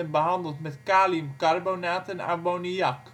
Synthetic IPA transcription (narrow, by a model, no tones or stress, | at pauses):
ənbəɦɑndəlˠtmɛtkaːlimkɑrbownaːtɛna̰ɹbonijɑk